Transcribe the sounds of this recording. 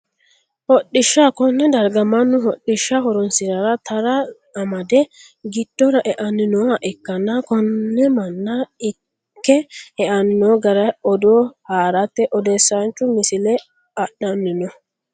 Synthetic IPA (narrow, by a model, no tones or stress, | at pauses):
hɔɗːɪʃːakɔnːɛd̪ɐɾɡɐmɐnːʊɦɔɗːɪʃːɐɦɔɾɔnsɪzɐɾɐt̪ɐɾɐ | ɐmɐd̪ɛ | ɡɪd̪̥ːɔɾɐʔɛʔɐnːɪnɔɐʔɛkːɐnɐkɔnːɛmɐnːɐɪ | kːɛɛʔɐnɪnɔɡɐɾɐɔd̪ɔhaːɾɐt̪ːɛʔɔd̪ɛsːant͡ʃːʊmɪsɪlɛ | ɐɗɐnːɪnɔ